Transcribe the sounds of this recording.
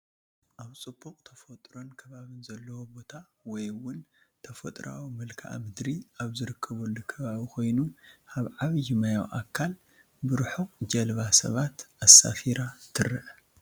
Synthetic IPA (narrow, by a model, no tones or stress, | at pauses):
ʔaβt͡sʼɨbokʼt̪ʰɐfɐt̪ʼɾo̞nkʰɐβaβɨnzɐlːɐwobo̞t̪ʰa | wɔjwʊn | t̪ʰɐfɐ̰t̪ʼɾa̰wimɨlkʰa̰ʔmɨd̪ɾiaβzɨɾɨkʰːɐβolːukʰɐβaβikʰo̞jnuʔaβʕaβjɪmajawʔa̰kʰːal | bɨɾħod͡ʒɐlβasɐ̰βat̪ʔasa̰fiɾat̪ʰɨɾɨʔ